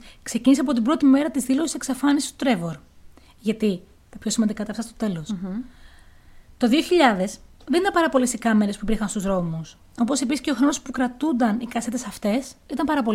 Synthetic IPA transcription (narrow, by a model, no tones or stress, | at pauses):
kse̞cinisɐpo̞t̪ibɾo̞t̪ime̞ɾɐt̪izðilo̞si̥se̞ksɐfɐnisi̥st̪ot̪ɾe̞vo̞ɾ | ʝɐt̪i | t̪ɐpço̞simɐnd̪ikɐt̪ɐft̪ɐst̪o̞t̪e̞lo̞s | t̪o̞ðioçiʎɐðe̞sðenit̪ɐmpɐɾɐpo̞lesikɐmeɾespubɾixɐnst̪uzɾo̞mus | o̞po̞se̞p̬isi̥ce̞oxɾo̞no̞spukɾɐt̪und̪ɐnikɐse̞t̪e̞sɐft̪e̞sit̪ɐmpɐɾɐpo̞